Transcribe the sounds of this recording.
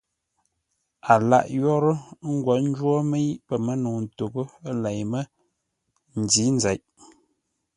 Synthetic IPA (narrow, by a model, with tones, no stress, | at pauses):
a˨la̰˦ʔjɔ˦ɾə˦ŋ̩˦ɡwɔ˨n̩˦d͡ʒwɔ˦mə˦ji˦ʔpə˨mə˦no˨n˨to˨ɡə˦la˨jmə˦ | n̩˨di˨˦n˦za˨jʔ